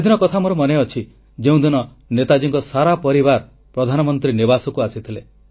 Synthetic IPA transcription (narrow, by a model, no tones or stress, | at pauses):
d̪inɔkɔt̪ʰamoɾomɔneɔt͡ʃʰi | d͡ʒeũd̪inɔ | net̪ad͡ʒiŋkɔsaɾapɔɾibaɾ | pɾɔd̪ʱanɔmɔnt̪ɾinibasɔkuasit̪ʰile